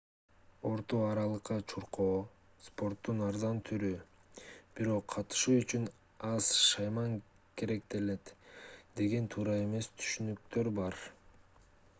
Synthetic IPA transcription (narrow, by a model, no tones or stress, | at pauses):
o̞ɾt̪oɑɾɑlˠɯqːɑt͡ʃʰuɾqoː | spo̞ɾt̪ːunɑɾzɑnt̪ʰyɾy | b̥iɾo̞qʰːɑt̪ɯ̥ʃuːyt͡ʃyn | ɑz̥ʃɑjmɑŋ | ke̞ɾe̞k̚t̪e̞le̞t̪d̪e̞ɡe̞nt̪ʰuːɾɑe̞me̞st̪ʰy̥ʃynyk̚t̪ø̞ɾbɑɾ